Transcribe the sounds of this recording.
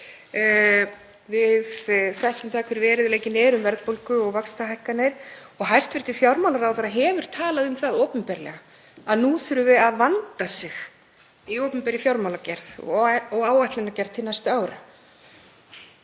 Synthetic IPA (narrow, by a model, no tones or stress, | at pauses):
vɪðθɛht̪ʏmθaːkʰvɛɾvɛːɾɪðleːjcɪnɛɾʏmvɛɾt̪powlkʏɔɣvakst̪aɦajhkanɛɾɔɣɦajst̪vɪɾ̥t̪ɪfjawɾmawlaɾawθaɾaɦɛːvʏɾ̥t̪ʰaːlaðʏmθaðoːwpʏmpɛɾlɛ̰ɣa | aðnuθʏɾʏvɪaðvant̪asɪx | iowpʏmpɛɾɪfjawɾmawlacɛɾθɔɣaːwajht̪lɪnacɛɾ̥t̪ʰɪlnajst̪ʏaːwɾʏ